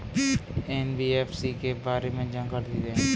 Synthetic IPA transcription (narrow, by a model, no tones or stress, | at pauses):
ɛnbiːeːpʰsikebaːɾemẽd͡ʒãŋɡəld̪iːd̪ẽ